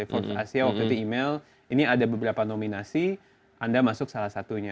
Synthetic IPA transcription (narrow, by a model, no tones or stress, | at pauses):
efɔrfasiawak̚t̪ut̪uimel | iniadabəbəɾapanominasi | ʔandamasʊk̚salahsat̪uɲa